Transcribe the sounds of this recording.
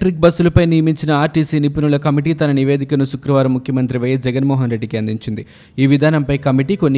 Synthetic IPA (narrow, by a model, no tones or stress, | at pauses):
ʈɾik̚bɐsːulɐpɐjnijɐmiɲt͡ʃinɐaːɾʈiːsiːnipinulɐkɐmiʈ̬iːt̪ɐnɐniʋe̞ːd̪ʱikɐnusukɾɐʋaːɾɐmːukʰjɐmɐnt̪ɾiʋɐːjɐsd͡ʒɛɡɐnmɔːɦɐnɾe̞ɖːikiɐnd̪iɲt͡ʃind̪i | iːʋid̪ʱaːnɐmpɐjkɐmiʈiko̞nːi